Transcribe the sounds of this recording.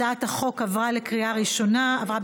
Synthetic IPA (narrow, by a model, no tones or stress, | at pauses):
aathaχo̞kavʁalekʁiaʁiʃo̞naavʁab